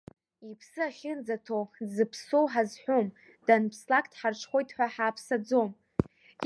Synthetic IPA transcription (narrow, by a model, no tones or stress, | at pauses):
ipʰsɨaχʲɪnd͡zatʰowzɨpʰsowħazħʷᶣom | d̥anpʰslakʼʰtʰħart͡ʃʰχojtʰʼħʷᶣaħaːpʰsad͡zo̞m